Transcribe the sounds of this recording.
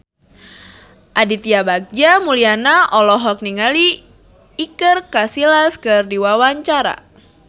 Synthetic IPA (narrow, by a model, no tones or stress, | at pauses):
ʔadit̪iabaɡ̚d͡ʒamulianaʔɔlɔɦɔk̚niŋaliː | kɨrkasilaskɨrdiwawaɲt͡ʃaɾa̰